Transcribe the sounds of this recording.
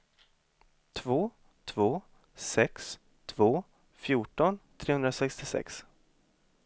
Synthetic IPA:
t̪ʰvoː | t̪ʰvoː | sɛks | t̪ʰvoː | fjuːʈɔnt̪ʰɾeːhɵnɾasɛkst̪ɪsɛ̰ks

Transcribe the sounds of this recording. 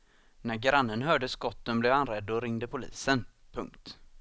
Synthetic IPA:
næɾɡɾanːənɦœːɖəskɔt̪ːənblɛvanɾɛd̪ːɔɾɪŋd̪əpʰʊlḭːsən | pʰɵ̰ŋkt̪

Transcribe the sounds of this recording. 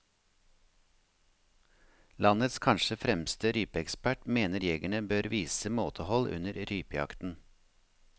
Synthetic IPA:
lɑnət̪skʰɑnʃəfɾɛmst̪əɾyːpəɛkspæʈmeːnəɾjɛɡæɳəbøːɾʋiːsəmoːt̪ʰəhɔlʔʉ̰nəɾɾyːpəjɑ̰kt̪n̩

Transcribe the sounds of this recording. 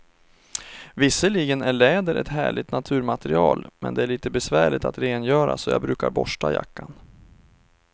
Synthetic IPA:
vɪsəliːɡənæɭɛːd̪əɾʔɛ̰t̪hæːɭɪt̪nat̪ʰʉ̟ːɾmat̪ɛɾɪɑːlmʔɛnd̪ɛæɭiːt̪əbɛsvæːɭɪt̪at̪ɾeːnjœːɾasɔjɑ̰ːbɾʉ̟ːkaɾbɔʂʈaja̰kːan

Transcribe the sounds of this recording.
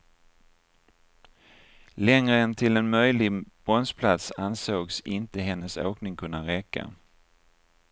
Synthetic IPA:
lɛŋɾəɛnt̪ʰɪlɛnmœjlɪb̥ɔnspʰlat̪sansoːɡsɪnt̪əɦɛnːəso̰ːknɪŋkʰɵnːaɾɛkːa̰

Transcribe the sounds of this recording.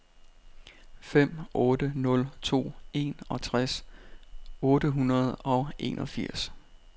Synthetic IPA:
fem̰ʔɔ̽ːd̥ənɔ̽lt͡sʰo̝̰ːe̝nɒ̽t͡sʰʁas | ɔ̽ːɾəɦunɐð̞ˠɒ̽ʔe̝̰ːnʔɒ̽fiɐ̰s

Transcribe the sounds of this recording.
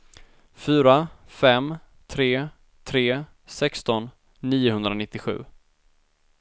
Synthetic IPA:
fyːɾafɛm | t̪ʰɾeː | t̪ʰɾeː | sɛkst̪ɔnː | iːʊhɵnd̪ɾanɪt̪ːɪɧʉ̟̰ː

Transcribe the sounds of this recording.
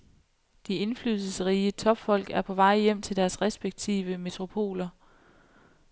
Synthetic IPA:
d̥ie̝nflyːðˠsəsəʁiːət͡sʰɒ̽b̥fɒ̽l̰ɡ̥æɐpʰɒ̽ʋɑ̈ɪ̰jem̰t͡sʰe̝ld̥æɐsʁɛsb̥eɡ̥̚t͡sʰḭːʋəme̝t͡sʰʁo̝pʰo̝̰ːlɐ

